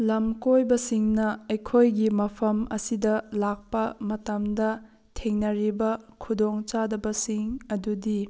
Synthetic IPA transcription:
lɐmkojbɐsiŋnɐɐjkʰojɡimɐpʰɐmɐsidɐlak̚pɐmɐtɐmdɐ | tʰeŋnɐɾibɐkʰudoŋt͡ʃadɐbɐsiŋɐdudi

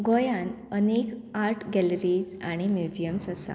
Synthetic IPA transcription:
ɡɔjãn | ənekaɾʈɡɛləɾiːd͡zaɽ̃imjud͡ʑijəmsasa̰

